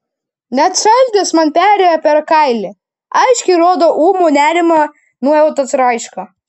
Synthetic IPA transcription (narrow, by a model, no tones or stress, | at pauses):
nʲɛt̪ʃɐlʲd̪ʲɪsmɐnpʲæːɾʲeːjopʲɛɾkɐɪlʲɪ | ɐɪʃʲkʲɛɪɾoːd̪oːʔuːmonʲæːɾʲɪmɐ | nuɔjɛʊt̪ɐsɾɐɪʃkɐ